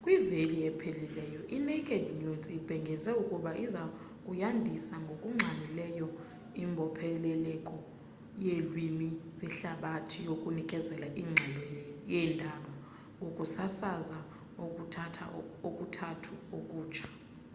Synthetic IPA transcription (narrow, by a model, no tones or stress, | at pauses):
kʼwiveliɛpʰelilɛjɔʔinekʼɛdjuzib̥ʱɛŋɡʱɛzɛukʼuɓaʔiza | kʼujandʱisaŋɡʱokʼuŋ͡ǁʱanilɛjɔ | imbʱɔpʰɛlɛlɛkʼɔ | jelwimiziɬaɓatʰijokʼunikʼɛzɛlaʔiːŋ͡ǁʱɛlɔjɛndʱaɓɔ | ŋɡʱokʼusasaza | ok̬ʼutʰatʰa̰okʼutʰatʰuok̬ʼuːt͡ʃʰḁ